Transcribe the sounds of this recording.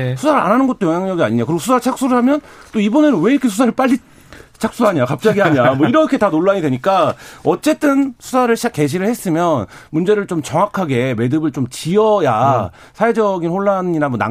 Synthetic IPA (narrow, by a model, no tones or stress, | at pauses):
sʰusʰaɾɯa̰nɦanɯnɡʌt͈ojʌŋjaŋɲʌɡiaɲiɲakɯɾiɡosʰusʰaɯɭt͡ɕʰak̚s͈uɾɯɭɦamjʌnt͈oibʌne̞nɯnwe̞iɾʌkʰesʰusʰaɾɯɭp͈aʎːi | t͡ɕʰak̚s͈uɦaɲiakap̚t͡ɕ͈aɡiɦaɲiamwʌiɾʌkʰe̞tanoɭːaɲidweɲik͈aʌt͡ɕ͈e̞t͈ɯnsʰu̥sʰaɾɯɭɕʰak͈e̞ɕ̬ʰiɾɯɭhe̞s͈ɯmjʌnmund͡ʑeɾɯɭt͡ɕomt͡ɕʌŋwakʰaɡe̞me̞dɯbɯɭt͡ɕomt͡ɕiʌja | sʰae̞d͡ʑʌɡinɸoɭːaninamʌna̰